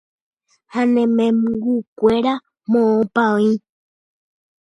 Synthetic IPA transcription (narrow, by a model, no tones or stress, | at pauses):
hãnẽmẽmɡukʷe̞ɾa | mõõpãĩ